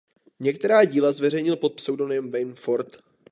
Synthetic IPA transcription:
ɲɛk̚t̪ɛɾaːɟiːlazvɛr̝ɛjɲɪlpo̞t̪̚psɛwdo̞nɛmvɛjnfoɾt̪

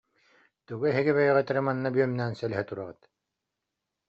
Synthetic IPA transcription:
t̪uɡuɛɦiɡiβɛjʁɛt̪ɛɾɯmanːabyœmnɛːnsɛlɛɦɛt̪uɾaʁɯt̪

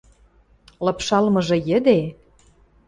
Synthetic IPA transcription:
lɑpʃɑlmɤ̆ʒɤ̆jə̆d̪e

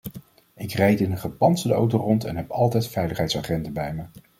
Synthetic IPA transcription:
ɪkrɛjtɪnəχɑpɑnsədəo̰wtorɔntɛ̰nɦɛpɑlˠtɛjtfɛjləχɦɛjtsaːχɛndəbɛjmə

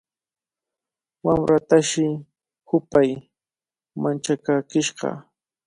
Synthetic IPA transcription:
wamɾat̪aʃɪ | hʊpaj | mant͡ʃakakɪʃɢɑ̰

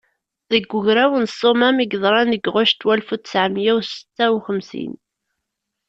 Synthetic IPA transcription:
ðəɡːʊʝɾæwənsˤomæmiɡðˤɾˤɑnəɡʁʊʃt̪wælfut̪sʕmjæwsə̥t͡s̪ːæwχəmsḭn

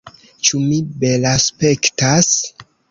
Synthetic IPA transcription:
t͡ʃumibelaspe̞ktas

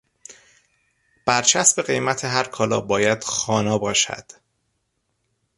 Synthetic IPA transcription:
b̥æɾt͡ʃʰæsbe̞ɣe̞jmæt̪ʰe̞ɦæɾkʰɒːlɒ̰ːbɒːjæd̪̥xɒːnɒːbɒːʃæ̰d̪̥

